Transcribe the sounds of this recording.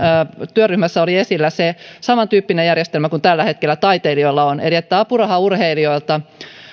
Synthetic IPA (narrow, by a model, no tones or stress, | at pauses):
t̪yøryhmæsːæoliesilːæsesɑmɑnt̪yːpːinejærjest̪elmækunt̪ælːæhe̞t̪kelːæt̪ɑit̪eilioilːɑoneriet̪ːæːɑpurɑhɑurheilioilt̪ɑ